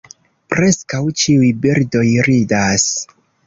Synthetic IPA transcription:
pɾe̞skawt͡ʃiujbiɾdo̞jɾidas

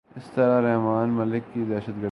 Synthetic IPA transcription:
ɪst̪ɐɾaɾɛɦmaːnmɐlɪkːid̪ɛːʃət̪ɡə

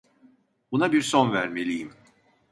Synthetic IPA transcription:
bunabiɾsonvæɾmelʲijim

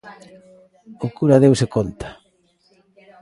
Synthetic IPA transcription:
okuɾaðewsekont̪ḁ

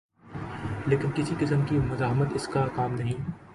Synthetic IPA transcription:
leːkɪnkɪsiqɪsəmkimʊzaːɦmət̪ɪskakaːmnɐɦĩː

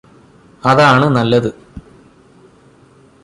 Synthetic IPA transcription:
ɐðaːɳɨnɐlːɐðɨ

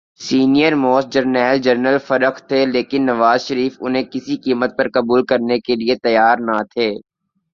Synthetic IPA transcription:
siːnijəɾmɔːsd͡ʒəɾnɛːld͡ʒəɾnəlfɐɾəkʰt̪ʰːeleːkɪnːɐʋaːzʃəɾiːfʊ̰nɦẽkɪsikiːmət̪̚pɐɾkɐbuːlkɐɾnekeliet̪ɐjaːɾnat̪ʰeː

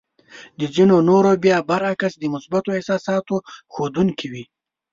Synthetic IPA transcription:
d̪əzinonoɾobjɑːbaɾakasd̪əmʊsbat̪oehsɑsɑːt̪oxod̪uŋkiwi

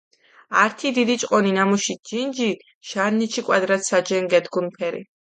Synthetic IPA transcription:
aɾt̪ʰid̪id̪it͡ʃʼqʼɔninamuʃid͡ʒind͡ʒi | ʃaɾnit͡ʃʰikʼwad̪ɾat̪sad͡ʒɛŋɡɛd̪ɡunpʰɛɾḭ

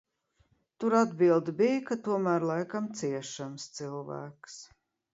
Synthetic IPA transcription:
t̪uɾad̪bilˠd̪bijkat̪uɔmæːɾlˠajkamt̪siɛʃamst̪silˠvæ̰ːks

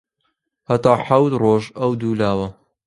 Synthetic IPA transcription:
hat̪aːħawt̪roːʒɐwd̪uːlaːwɐ

